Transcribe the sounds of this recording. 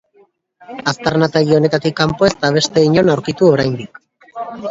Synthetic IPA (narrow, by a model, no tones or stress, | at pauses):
ast̪aɾnat̪eɣio̞ne̞t̪at̪ikːampo̞e̞st̪aβ̞e̞st̪e̞iɲo̞nawɾkit̪uo̞ɾajnd̪ik